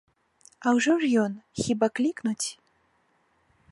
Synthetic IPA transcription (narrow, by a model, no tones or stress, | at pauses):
ɐwʐɔʐjɔnxʲibaklʲiknut͡sʲ